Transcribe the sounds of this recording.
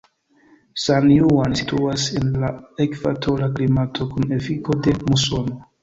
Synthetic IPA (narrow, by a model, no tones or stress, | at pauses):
sanjuansitʰuase̞nlaekv̥a̰tʰo̞ɾaklimatʰo̞kune̞fiko̞de̞musono